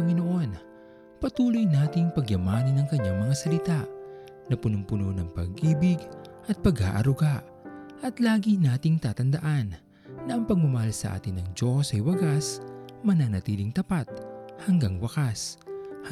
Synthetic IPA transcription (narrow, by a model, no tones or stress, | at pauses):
ɐŋɪnoʔo̞n | pɐt̪uːlojnaːt̪ɪŋpɐɡjɐmaːnɪnɐŋkɐɲːaŋmɐŋasɐlɪt̪aʔ | nɐpʊnʊmpʊnonɐŋpɐ̰ɡʔiːbɪɡʔɐt̪̚pɐɡa̰ːʔɐ̰ɾʊɡaʔ | ʔɐt̪laːɡinaːt̪ɪŋt̪aːt̪ɐnd̪ɐʔanː | ɐʔɐŋpɐɡ̚mʊmɐhalsɐ̰ʔa̰ːt̪ɪnɐŋd͡ʒo̞sɐjwɐɡasmɐnanɐt̪iːlɪŋt̪ɐpat̪̚hɐŋɡaŋwɐkas